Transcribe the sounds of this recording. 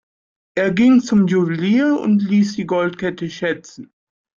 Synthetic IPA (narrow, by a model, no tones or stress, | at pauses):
ʔeːɐɡɪŋt͡sʊmjuvəliːɐʊ̰ntliːsd̥iːɡɔltkɛtəʃɛt͡sn̩